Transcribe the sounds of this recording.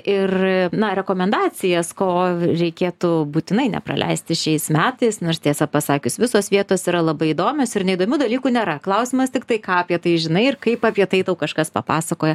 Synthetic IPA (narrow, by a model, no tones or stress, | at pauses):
ɪrnɐɾʲɛkoːmʲɛnd̪ɑːt͡sʲɪjɛskoːɾʲɛɪkʲeːt̪ubuːt̪ʲɪnɐɪnʲɛ̰pɾɐ̰lʲʔɛ̰ɪsʲt̪ʲɪʃʲɛɪsmʲæːt̪ɐɪsnoːɾst̪ʲiɛsɐpɐsɑːkʲʊsʋʲɪsoːsʋʲiɛt̪oːsiɾɐlˠɐbɐɪid̪oːmʲoːsɪrnʲɛɪid̪oːmʲuːd̪ɐlʲiːkuːnʲeːɾɐklˠɐʊsʲɪmɐst̪ʲɪkt̪ɐɪkɑːɐpʲiɛt̪ɐɪʒʲɪnɐɪɪrkɐɪpɑːpʲiɛt̪ɐɪt̪ɐʊkɐʃkɐspɐ̰pɑːsɐkoːjɛ